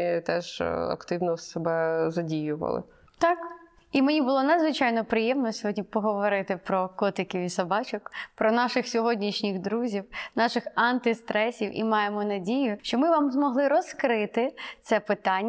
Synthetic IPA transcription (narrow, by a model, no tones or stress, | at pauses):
t̪ɛʒɐ̰kt̪ɪwnɔsɛbɛzɐdʲijʊʋɐ̰lˠɪ̰ | t̪ɑk | imenʲibʊlˠɔnɐd̪zʋɪt͡ʃɑjnɔpɾɪjɛmnɔsʲɔɦɔdʲnʲipɔɦɔʋɔɾɪt̪ɪpɾɔkɔt̪ɪkʲiʋisɐbɑt͡ʃɔkpɾɔnɑʃɪxsʲɔɦɔdʲnʲiʃnʲɪɣd̪ɾuzʲiwnɑʃɪxɑnt̪ɪst̪ɾɛsʲiwʔḭmɑjemɔnɐdʲijʊʃt͡ʃɔmɪʋɑmzmɔɦlˠɪɾɔzkɾɪt̪ɪt̪sɛpɪt̪ɑnʲː